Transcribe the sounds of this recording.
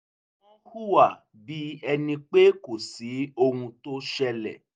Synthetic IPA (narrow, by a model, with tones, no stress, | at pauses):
ɔ̃˦hu˦˨wa˦˨ | bi˨˦ɛ˧nĩ˧k͡pe˦ko˨si˨˦o˧hũ˧to˦ʃɛ˧lɛ̰˨